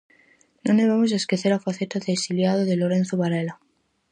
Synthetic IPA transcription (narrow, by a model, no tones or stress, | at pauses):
nõneβamos̬aeskeθeɾafaθet̪aðeksiljaðoðeloɾen̟θoβaɾela